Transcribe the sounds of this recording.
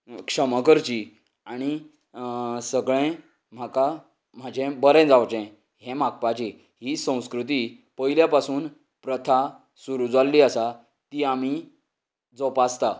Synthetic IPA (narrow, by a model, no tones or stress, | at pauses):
kʂəməkəɾt͡ɕi | aɽ̃i | səɡɭɛ̃ | m̤aka | m̤ad͡ʑʱẽbəɾɛ̃d͡zawt͡ɕɛ̃ | ɦɛ̃mak̚pat͡ɕi | ɦisə̃w̃skɾut̪̬i | pəiljapasuːn | pɾət̪ʰa | suɾud͡zalːiːəsa | t̪iːam̤i | d͡zɔpast̪a